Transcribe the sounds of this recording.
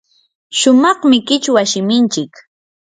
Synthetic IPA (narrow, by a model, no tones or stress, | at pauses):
ʃʊmɑχmɪkɪt͡ʃwaʃɪmɪnt͡ʃɪk